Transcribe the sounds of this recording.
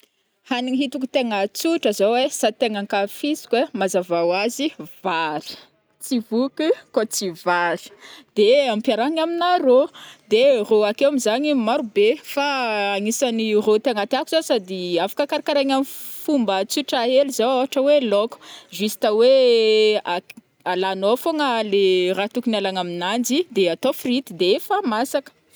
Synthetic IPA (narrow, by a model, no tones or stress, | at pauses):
haniŋiɦit̪uku̥t̪eŋət͡suʈ͡ʂəzawesat̪eŋaŋkafisi̥kwemazavawaziv̥aɾi̥ | t͡sivukukot͡sivaɾi̥d̪̥eampjaɾaɲaminaɾod̪eroakewamizaɲimaɾubefaaŋisanirot̪iaŋat̪iakuz̥asad̪iafḁkakaɾakaɾaɲamifumbət͡suʈ͡ʂaelizawaaʈ͡ʂəweloku̥ʒisi̥t̪awe | a | alanofoŋəlerat̪ukinalaŋaminand͡ʒid̪eat̪ofrit̪id̪eefəmasakə̥